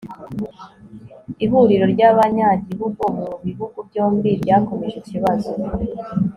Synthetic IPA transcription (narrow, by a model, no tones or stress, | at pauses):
iɦuɾiɾo̞ɾɟaβaɲaːɟiβuɡomuuβiβuɡubɟoːmbibɟaːko̞meʒiciβazo